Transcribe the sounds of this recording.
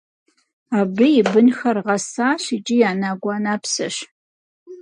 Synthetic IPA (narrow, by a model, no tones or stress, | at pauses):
aːbɨjɪbɨnxɐrʁɐsaːɕit͡ʃʼɪjaːnaːɡʷɑːnaːpsɐɕ